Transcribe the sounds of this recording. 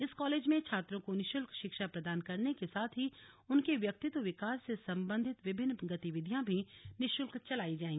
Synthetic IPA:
ɪskɔːleːd͡ʒmẽt͡ʃʰaːt̪ɾõkonɪʃʊlkʃɪkʃapɾɐd̪aːnkɐɾnekesaːt̪ʰɦi | ʊnkeʋjɐk̚t̪ɪt̪ʋəʋɪkaːsːesɐ̃mbə̃nd̪ʱɪt̪ʋɪbʱɪnːɡɐt̪ɪʋɪd̪ʱjãbʱinɪʃʊlkt͡ʃɐlaːid͡ʒaːẽŋɡi

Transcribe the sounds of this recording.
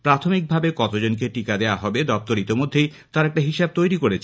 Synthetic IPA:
pɾat̪ʰomik̚bʱabekɔt̪od͡ʑonk̬eʈikad̪eoaɦɔbed̪ɔp̚t̪oɾit̪imod̪ʱːej | t̪aɾɛk̚ʈaɦiʃab̚t̪ojɾikoɾet͡ɕʰe

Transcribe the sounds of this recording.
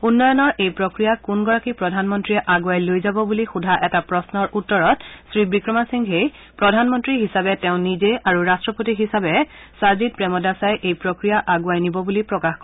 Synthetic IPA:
unːɔjɔnɔɹʔejpɹokɹijakunɡɔɹakipɹɔdʱanmɔntɹiɛʔaɡuajlojzabɔbulixudʱaʔɛtapɹɔsnɔɹʔutːɔɹɔtsɹibɹikɹɔmasiŋɡɦej | pɹɔdʱanmɔntɹiɦisabɛtɛʊ̃nizeaɹuɹastɹɔpotiɦisabɛ | saɹzit̚pɹɛmɔdasajʔejpɹokɹijaʔaɡuajnibɔbulipɹɔkaxk

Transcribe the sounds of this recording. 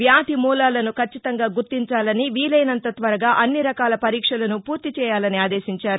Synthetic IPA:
ʋjaːd̪ʱimuːlaːlɐnukʰɐt͡ʃːit̪ɐŋɡaːɡuɾt̪iɲt͡ʃaːlɐniʋiːlɐjnɐnt̪ɐt̪ʋɐɾɐɡaːʔɐnːiɾɐkaːlɐpɐɾiːkʂɐlɐnupuːɾt̪it͡ʃɛːjaːlɐniaːd̪eːʃiɲt͡ʃaːɾu

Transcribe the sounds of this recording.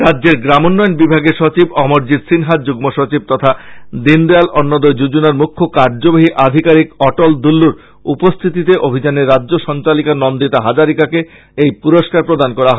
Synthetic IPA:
ɾadːd͡ʑeɾɡɾamonːɔjonbibʱaɡeʃot͡ɕibɔmoɾd͡ʑid̪sinɦat̪̚d͡ʑuɡmoʃot͡ɕib̚t̪ɔt̪ʰad̪ind̪ialʔɔnːod̪od͡ʑud͡ʑunaɾmukʰːokaɾd͡ʑobaɦiʔad̪ʱikaɾikɔʈold̪ulːuɾ | upost̪ʰit̪it̪eʔobʱid͡ʑaneɾːadːʑoʃɔnt͡ɕalikanɔmd̪it̪aɦad͡ʑaɾikake | ejpuɾoʃkaɾpɾod̪ankɔɾaɦɔe

